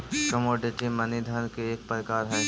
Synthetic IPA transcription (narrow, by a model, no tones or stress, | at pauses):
kəmoːɖɪʈimɐnid̪ʱənkeeːk̚pəɾɪkaːɾɦɛː